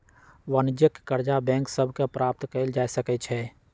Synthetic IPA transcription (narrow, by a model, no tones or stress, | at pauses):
ʋənd͡ʒəkkəɾd͡ʒabɛ̃ːŋksəbʱkepɾaːp̚t̪keld͡ʒaːjsəkət͡ʃʰɛː